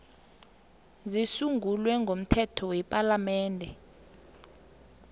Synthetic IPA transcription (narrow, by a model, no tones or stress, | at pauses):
zisuŋɡʱulwɛŋɡʱom̩tʰɛtʰɔwɛpʼalamɛːndʱɛ